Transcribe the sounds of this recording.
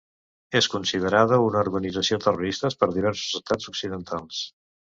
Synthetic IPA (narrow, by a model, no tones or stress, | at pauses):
eskunsiðəɾaðəunəuɾɣənidd͡zəsiot̪əruɾist̪əspəɾðiβ̞ɛɾsu̥zəst̪ad͡zuksiðənt̪ʰalˠs